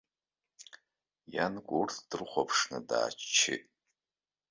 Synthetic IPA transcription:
jankʷʼurtʰd̥ɨrχʷapʰʂnɨda̰ːt͡ʃt͡ʃʰɪ̰tʼ

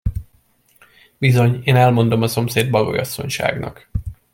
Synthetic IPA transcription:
bizo̞ɲeːnɛlmo̞nd̪o̞mɒso̞mseːd̪bɒɡo̞̰jɒsːo̞̰ɲʃa̰ːɡnɒ̰k

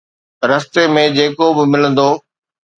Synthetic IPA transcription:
ɾɐst̪emẽd͡ʑeːkobɪmɪlə̃nd̪oː

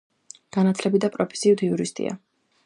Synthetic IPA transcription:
ɡ̥anat̪ʰlɛbid̪apʼɾɔpʰɛ̥siut̪ʰiuɾist̪ʼḭa̰

